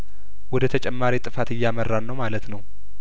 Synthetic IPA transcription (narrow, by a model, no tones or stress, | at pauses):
wɔd̪ət̪ʰət͡ʃʼɛmːaɾit̪ʼɨfat̪ɨjːamərːanːəwmalət̪nəw